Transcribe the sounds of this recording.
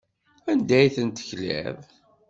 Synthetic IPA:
ænd̪æjθənt̪ə̥çlæ̰ð

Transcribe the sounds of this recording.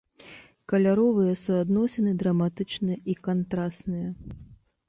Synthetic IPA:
kɐlʲaɾɔvɨjɐsuad̪nɔsʲɛnɨd̪ɾɐmat̪ɨt͡ʂnɨjɐʔikant̪ɾast̪nɨjɐ

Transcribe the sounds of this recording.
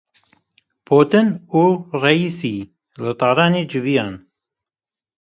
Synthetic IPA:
pʰoːt̪ɨnuːrɛiːsiː | lɨt̪ɑːɾɑːneːd͡ʒɨvijɑːn

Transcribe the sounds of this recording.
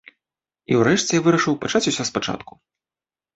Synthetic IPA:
ḭwrɛʂt͡sʲɛjavɨɾɐʂɨwpat͡ʂat͡sʲusʲɔspat͡ʂa̰t̪ku̥

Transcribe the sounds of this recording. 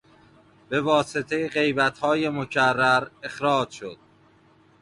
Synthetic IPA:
b̥e̞vɒːset̪ʰe̞jeɢe̞jbæt̪hɒːje̞mocʰærːæɾe̞xɾɒːd͡ʒʃod̪̥̚

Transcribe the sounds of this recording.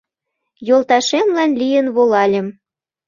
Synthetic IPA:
jolt̪ɑʃemlɑnlʲijənβolɑlʲĕm

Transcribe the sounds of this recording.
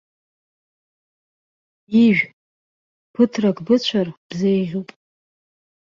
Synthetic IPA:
iʒᶣ | pʰɨtʰrakʰʼbɨt͡ɕʷʰarb̥zejʁʲupʼ

